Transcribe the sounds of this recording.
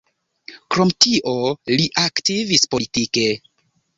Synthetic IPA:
kɾo̞mtiʔo̞liʔaktivispo̞litike̞

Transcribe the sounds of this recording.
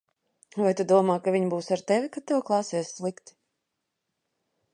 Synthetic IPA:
vajt̪ud̪uɔmaːkavʲiɲbuːsaɾt̪ɛvʲikat̪t̪ːɛwklˠɑːsiːɛsʲslˠikt̪i̥

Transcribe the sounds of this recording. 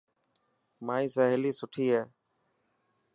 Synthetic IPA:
maːĩːsaːɦeliːsʊʈʰiːɦɛː

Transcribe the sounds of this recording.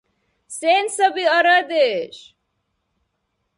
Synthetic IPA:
seːnsəbiəɾad̪eːʃ

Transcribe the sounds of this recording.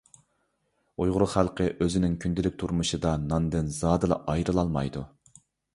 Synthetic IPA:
ujʁʊɾʊχælˠqʰəʔøzɪnɪŋkʲʰynd̪ɪlɪk̚ʲt̪ʰuɾmuʃɨd̪ɑnɑnd̪ɪnzɑːd̪ɨlˠɑ̰ʔɑjɾɨlˠɑlˠmɑ̰jd̪u

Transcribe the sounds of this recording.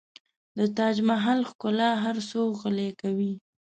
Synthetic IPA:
d̪ət̪ɑd͡ʒmaɦalxkʊlaɦaɾsoɣəlekawi

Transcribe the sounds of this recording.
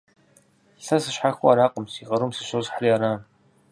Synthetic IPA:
ɬɐsɨʃħaxʊaɾaːqʷʼʊmsiːʁɐɾumsɨʃozħriaːɾaːn

